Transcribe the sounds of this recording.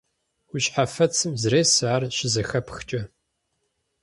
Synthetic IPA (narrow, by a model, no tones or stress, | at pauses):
wʊɕħafɐt͡sʰɨmzɨreːsaːrʃɪzɐxɐpxt͡ʃʼɐ